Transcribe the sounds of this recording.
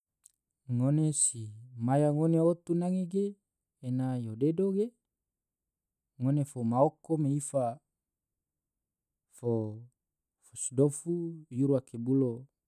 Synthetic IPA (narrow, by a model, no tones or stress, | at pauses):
ŋonesimajaŋoneot̪unaŋeɡeː | najodedoɡe | ŋonefomaokomeifa | fo | fosidofujuɾuakebulo